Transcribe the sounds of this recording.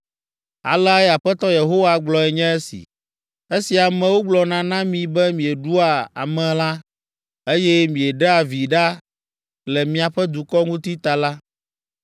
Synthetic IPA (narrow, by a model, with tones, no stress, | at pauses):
a̰˨la˦ja˨ɸɛ˦t̪ɔ˦je˨ɦo˦wa˨ɡ͡blɔ˨ɛ˨ɲɛ̃˦ɛ˦sḭ˨ | e˦si˨a˨mɛ̃˨wo˦ɡ͡blɔ˨nã˨nã˦mĩ˨bɛ˦mĩ˨ɛ˨ɖu˦a˨a̰˨mɛ̃˨la˦ | e˦jɛ˦mĩ˨ɛ˨ɖɛ˦a˨vi˨ɖa˦ | lɛ˨mĩ˨a˨ɸɛ˦d̪u˨kɔ˦ŋũ˦t̪i˦t̪a˨la˦